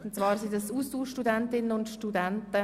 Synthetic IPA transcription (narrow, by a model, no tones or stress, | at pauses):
ʊntt͡svɑːɾsidəsustuːʃtudæntɪnənʊntʃtudæntə